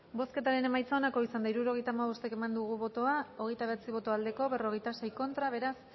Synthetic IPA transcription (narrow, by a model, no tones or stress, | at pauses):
bo̞ske̞t̪aɾe̞ne̞majt͡saonako̞isand̪aiɾuɾo̞ɣ̞e̞jt̪aːmaβo̞st̪eke̞mand̪uɣ̞uβo̞t̪o̞ao̞ɣ̞e̞jt̪aβe̞t͡siβ̞o̞t̪o̞ald̪e̞ko̞βe̞ro̞ɣ̞e̞jt̪ase̞jko̞nt̪ɾaβ̞e̞ɾas